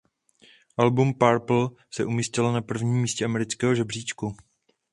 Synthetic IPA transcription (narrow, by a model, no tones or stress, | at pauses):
ʔalbumpaɾpl̩ | sɛʔumiːscɪlnapr̩vɲiːmːiːscɛamɛɾɪt͡skɛːɦoʒɛbr̝iːt͡ʃku